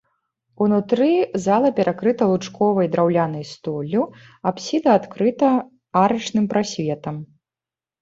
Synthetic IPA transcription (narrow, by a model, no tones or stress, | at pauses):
unut̪ɾɨzalˠɐpʲɛɾʔakɾɨt̪ɐlˠut͡ʂkɔvɐjd̪ɾawlʲanɐjst̪ɔlʲːu | apsʲid̪ɐːt̪kɾɨt̪ɐ | aɾɨt͡ʂnɨmpɾasʲvʲɛt̪ɐm